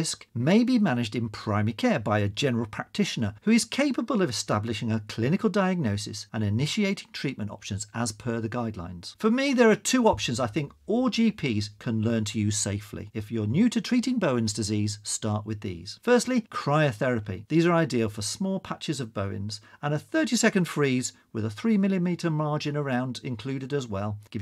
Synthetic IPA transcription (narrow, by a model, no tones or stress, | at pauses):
skmeɪbimænɨd͡ʒdɨ̃npʰɹ̥ãɪ̃mkʰɛɹbaɪɨd͡ʒɛnə˞əl̩ˠpʰɹ̥æk̚tʰɪʃnə˞hʉɨz̥kʰeɪpəbəlˠʌvɨstæblɨʃɪ̃ŋəkʰl̥ɪ̃nɨklˠdaɪɨɡ̚noʊsɨ̰sə̃nɨnɪʃieɪɾɪ̃ŋtʰɹ̥iˑʔ̚mɨ̃ntɑ̰pʃɨ̃nzəz̥pʰə˞ðɨɡaɪdˡlã̰ɪ̃nz̥fə˞miðə˞ətʰʉɑpʃɨ̃nzaɪθɪ̃ŋkɔlˠd͡ʒipʰiz̥kʰə̃nlɜ̃˞ntʰɨjɨseɪflḭɨfjə˞njʉɾɨtʰɹ̥iɾɪ̃ŋboʊɨ̃nzdɨziz̥stɑɹʔwɨðḭz̥fɜ˞stˡlikʰɹ̥aɪɨθɛɹɨpḭðizə˞aɪdilˠfə˞smɔlˠpʰat͡ʃɨzʌvboʊɪ̰̃nzə̃nəθɜ˞ɾisɛkɨ̃n̩d̥fɹiz | wɨðəθɹimɪlˠimiɾə˞mɑɹd͡ʒɨ̃nə˞ãʊ̃ndɪ̰̃nkʰl̥ʉɾɨɾɨzwɛlˠɡ̥ɪ